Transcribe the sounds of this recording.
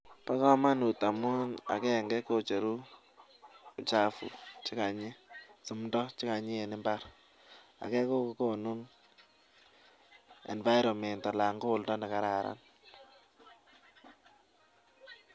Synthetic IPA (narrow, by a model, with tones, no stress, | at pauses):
pa˦kɔ˦ma˦nu˨ta˨mʊ˦na̰˨kɛ˦˨ŋɡɛ˦ko˦t͡ʃe˨ɾu˦˨ | t͡ʃa˨fṵ˨t͡ʃɪ˦ka˨ɲɪ˦su˨mndɔ˦t͡ʃɪ˦ka˨ɲɪ˦e˨nɪ˦mba˦ɾ | a̰˨kɛ˦ko˦kko˨nu˦n | ɛ̰˨nva˦ɪ˦ɾɔ˨mɛ˨nta˨la˨ŋɡo˦˨ldɔ˦ndɛ˨ka˦ɾa˨ɾa̰˦n